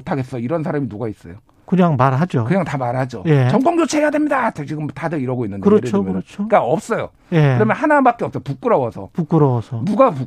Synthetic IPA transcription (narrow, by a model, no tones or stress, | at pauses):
otʰaɡe̞s͈ʌjoiɾʌns̬ʰaɾaminuɡais͈ʌ̰jo | kɯɲaŋmaɾɦad͡ʑokɯɲaŋtamaɾɦad͡ʑojet͡ɕʌŋk͈ʌŋd͡ʑot͡ɕʰeɦejadwe̞mɲidat͡ɕt͡ɕiɡɯmtadɯɾiɾʌɡoinːɯndkɯeɾʌɯɾʰomɯʌokaʌp̚s͈ʌjo̰ | jeɯɾʌmjʌnhanabak͈̚eʌp̚s͈ʌpuk͈ɯɾʌwʌsʰʌ̰puk͈ɯɾʌwʌsʰʌduɡapu